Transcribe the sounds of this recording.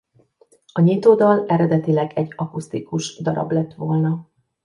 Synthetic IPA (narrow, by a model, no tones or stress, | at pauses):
ɒɲit̪oːd̪ɒlɛɾɛd̪ɛt̪ilɛɡɛɟːɒkust̪ikuʃd̪ɒɾɒ̰blɛt̪ːʋo̞lnɒ